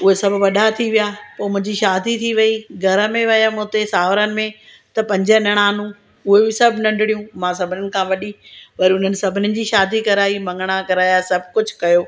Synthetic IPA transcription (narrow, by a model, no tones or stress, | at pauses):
ʊɦesɐbʱʋɐɗat̪ʰiʋijaːpoːmʊ̃ɦɪ̃ɲd͡ʑiʃaːd̪ʱit̪ʰiʋɐiɡʱɐɾə̆mẽʋɐjamʊ̃ːt̪esaːʋɾənɪ̆mẽ | t̪ɐpɐ̃ɲd͡ʑənɐɽ̃aːnũː | ʊɦebɪsɐbʱnɐ̃ɳɖʱɪɽijũːmãs̬ɐbʱɪnɪnɪ̆kʰãʋɐɗipɐɾiʊn̤ənɪ̆sɐbʱɪnɪnɪ̆d͡ʑiːʃaːd̪ikɐɾaːimɐ̃ŋɡəɽ̃akɐɾaːjasɐb̚ʱkʊd͡ʑʱʊkɐjoː